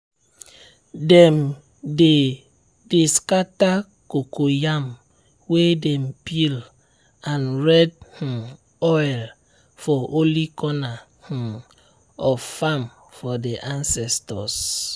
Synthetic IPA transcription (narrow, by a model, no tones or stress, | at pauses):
dɛm | de | deskata | kokʰojam | wedɛmpil | ãnɹɛd̚h̩ | ɔjl | fɔʔolikʰɔna | h̩ | ɔfam | fɔdeʔãnsɛstɔs